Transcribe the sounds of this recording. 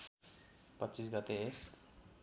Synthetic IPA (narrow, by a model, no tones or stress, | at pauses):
pʌtːt͡sis̬ɡʌt̪ees